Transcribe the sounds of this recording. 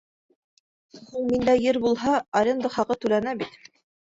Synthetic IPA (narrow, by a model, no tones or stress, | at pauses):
huɴmind̪æjɘɾbulˠɦɑɑɾʲɤnd̪ɤχɑqɤt̪ʉlænæbit̪